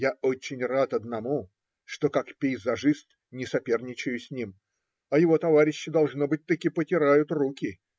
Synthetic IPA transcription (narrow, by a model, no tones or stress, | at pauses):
jao̞t͡ɕɪnʲrat̪ɐd̪nɐmu | ʂt̪o̞kakpʲɪjzɐʐɨst̪ | nʲɪsɐpʲe̞rnʲɪt͡ɕɪjʊsʲnʲim | ɐjɪvo̞t̪ɐvaɾʲɪɕːɪd̪ɐlˠʐno̞bɨt̚ʲt̪ɐkʲipətʲɪɾajʊt̪rukʲɪ